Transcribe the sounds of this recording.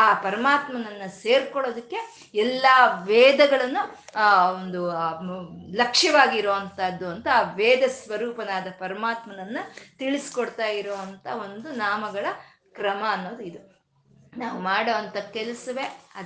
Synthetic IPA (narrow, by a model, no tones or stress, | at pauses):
aːpɐɾɐmaːt̪mɐnɐnːɐse̞ːɾkɔɭoːd̪ɐkːe̞ | ɛlːaːʋɛːd̪ɐɡɐɭɐnːu | ond̪u | lɐkʂjɐʋaːɡiɾoːʋɐnt̪ɐd̪ːuɐnt̪ɐːʋɛːd̪ɐsʋɐɾuːpɐnaːd̪ɐpɐɾɐmaːt̪mɐnɐnːɐt̪iɭisi̥koɽt̪aːjiɾoːʋɐnt̪ʰɐo̞nd̪unaːmɐɡɐɭɐ | kɾɐmɐːnːoːd̪uid̪u | naːʋumaːɽɐʋɐnt̪ɐkɛlɐsɐʋe̞ɐd̪